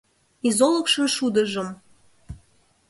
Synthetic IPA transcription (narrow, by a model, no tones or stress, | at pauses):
izoləkʃɤʃud̪əʒəm